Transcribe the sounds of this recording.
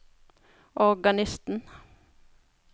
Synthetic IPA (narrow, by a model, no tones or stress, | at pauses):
ʔɔʁɡɑnɪst̪n̩